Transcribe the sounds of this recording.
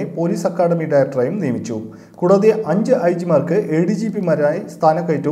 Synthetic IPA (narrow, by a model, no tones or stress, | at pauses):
epo̞ːliːsɐkːaːɽɐmiɖɐjɐk̚ʈrɐjumnijɐmit͡ɕːu | kuɽɐðeʔɐɲd͡ʑɨʔɐjd͡ʑimɐrkɨʔeːɽid͡ʑiːpimɐɾaːist̪ʰaːnɐkːɐjitːu